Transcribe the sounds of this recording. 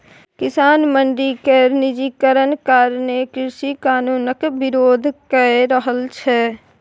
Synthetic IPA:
kɪsaːnmə̃ɳɖɾikenɪd͡ʒiːkəɾənkaːɾnekɪɾʃikaːnuːnəkbɪɾoːd̪ʱkəɾəɦəlt͡ʃʰɛ

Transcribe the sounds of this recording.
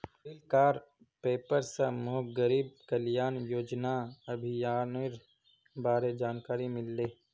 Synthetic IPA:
ɪlkaːɾ | peːpəɾsɐmoːɡəɾiːb̚kəljaːnjoːd͡ʒnaɐbʱijaːnɾ | baːɾed͡ʒaːnkaːɾimɪlːeː

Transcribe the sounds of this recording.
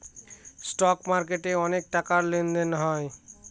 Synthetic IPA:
sʈɔkmaɾkeʈeɔnek̚ʈakaɾlend̪enɦɔe

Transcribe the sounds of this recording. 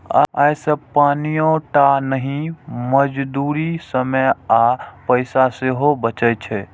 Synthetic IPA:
a̰ːjsəpanijõʈanəɦĩməd͡ʒd̪uɾisəməjapəɪsaseɦobət͡ʃəjt͡ʃʰɛ

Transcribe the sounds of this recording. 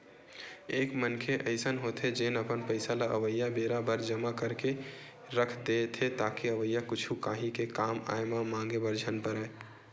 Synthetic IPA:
eːkmənkʰeʔəɪsənɦot̪ʰed͡ʒenəpənpəɪsalaʔəʋəjːabeɾabəɾd͡ʒəmakəɾke | ɾəkʰd̪et̪ʰet̪aːkiəʋəjːakʊt͡ʃʰukaːɦĩkekama̰emamãːŋɡebəɾd͡ʒʱənpəɾɛ

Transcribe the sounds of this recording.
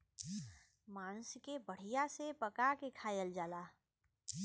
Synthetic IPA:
maːñskebəɽ̤ijasepəkakekʰaːjəld͡ʒaːlaː

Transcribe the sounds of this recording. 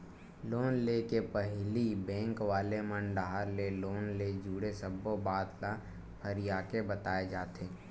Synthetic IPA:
loːnlekepəɦlibɛ̃ːŋkʋaːlemənɖaɦaɾleloːnled͡ʒuːɽesəbobaːt̪la | pʰəɾɪjaːkebət̪aːed͡ʒaːt̪eː

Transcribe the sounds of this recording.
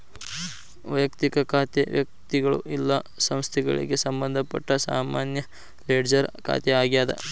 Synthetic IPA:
ʋɐjɐkt̪ikɐkʰaːt̪eʋjɐk̚t̪iɡɐɭṵʔilːɐsɐmst̪ʰɛɡɐ̰ɭḭɡe̞sɐmbɐnd̪ʱɐpɐ̰ʈːɐsa̰ːmaːnjɐ | leːɖd͡ʒɐɾkʰa̰ːt̪eaːɡijaːd̪ɐ̰

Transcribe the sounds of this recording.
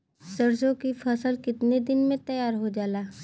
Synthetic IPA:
sɐɾsõkipʰəsəlkɪt̪ned̪ɪnmẽt̪ɐjaːɾɦod͡ʒaːlaː

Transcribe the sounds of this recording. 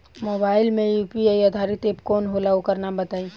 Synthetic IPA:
moːbaːɪlmẽjuːpiaiad̪ʱaːɾɪt̪eːp̚kɔːnɦolaokəɾnabɐt̪aːĩ

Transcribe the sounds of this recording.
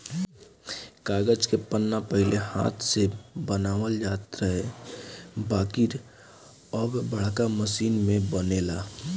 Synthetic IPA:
kaːɡəd͡ʒkepənːapəɦɪleha̰ːt̪ʰsebənaːʋəld͡ʒaːt̪ɾəɦɛ | baːkiɾ | əbbəɽ̤kaməsiːnmẽbəneːlaː

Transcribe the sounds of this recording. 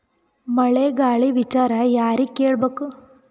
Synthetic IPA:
mɐɭeɡaːɭiʋit͡ʃaːɾɐjaːɾikːeːɭbeːku

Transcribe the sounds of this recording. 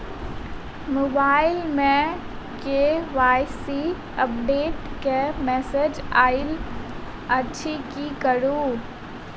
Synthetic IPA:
moːbaːɪlmɛ̃ | keʋaːɪsi | əp̚ɖeːʈkemɛːsed͡ʒaːɪl | ɐːʃʰikikəɾuː

